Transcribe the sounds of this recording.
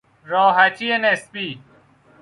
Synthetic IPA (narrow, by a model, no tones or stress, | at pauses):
ɾɔːɦɐtienespi